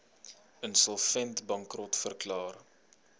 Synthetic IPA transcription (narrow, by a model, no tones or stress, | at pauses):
ənsɔlˠfɛntbɐŋkrɔtfərklɑːr